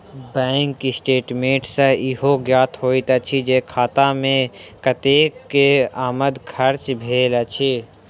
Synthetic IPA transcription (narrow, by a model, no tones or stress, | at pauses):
bɛ̃ːŋkːisʈeːʈmẽːʈsəɪɦoɡjaːt̪ʰɦoːit̪ɐt͡ʃʰid͡ʒeːkʰaːt̪amẽkət̪eːkːeaːməd̪kʰɐɾt͡ʃbʱeːlɐt͡ʃʰiː